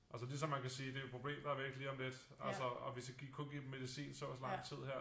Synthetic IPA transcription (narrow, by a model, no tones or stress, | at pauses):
ʔæls̬əlis̬ɒ̽mːænkʰæsiːd̥e̝opʰʁo̝b̥le̝̰ːmd̥ɑɐʋie̝ɡ̥liːɒ̽ml̥ed̥ | ælsəɒʋe̝sjaɡ̥ḭːkʰɔ̽nɡ̥ḭːbme̝ðˠisḭːnsɒæslɑ̈ŋ̰t͡sʰið̰ˠheɐ̰